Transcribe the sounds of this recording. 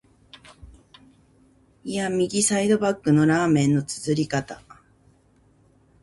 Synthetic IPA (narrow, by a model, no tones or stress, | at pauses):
iamʲiɡʲisaid̪o̞bakːɯ̟no̞ɾaːmẽ̞nːo̞t͡sɨ̥zɨɾʲikat̪a